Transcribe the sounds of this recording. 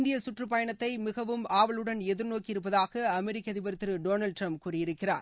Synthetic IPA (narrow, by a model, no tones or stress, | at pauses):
nd̪ɪjɐsʊʈrɯpɐjɐɳɐt̪ːɐɪmɪɣɐʋɯmaːʋɐɭɯɽɐnɛðɯɾnoːkːɪɾɯpːɐðaːɣɐɐmɛɾɪkːɐɐðɪbɐɾɯt̪ːɯɾɯɖoːnɐlɖʈrɾɐmp̚kuːrɪjɪɾɯkːɪra̰ːɾ